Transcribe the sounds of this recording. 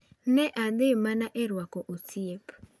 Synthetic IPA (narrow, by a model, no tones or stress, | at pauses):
nɛʔad̪ɪmanaʔɛɾwakɔʔotiep